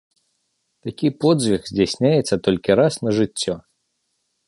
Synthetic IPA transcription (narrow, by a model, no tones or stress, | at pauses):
t̪akʲipɔd̪zʲvʲixzʲd͡zʲasʲnʲajɛt̪sːɐt̪ɔlʲkʲiɾasnɐʐɨt͡sʲːɔ